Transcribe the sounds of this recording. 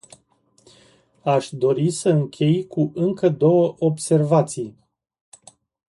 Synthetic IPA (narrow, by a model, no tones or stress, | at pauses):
aʃd̪o̞ɾisəɨŋkʲʰe̞jkʰuʔɨŋkəd̪o̞wəʔobse̞rvat̪sij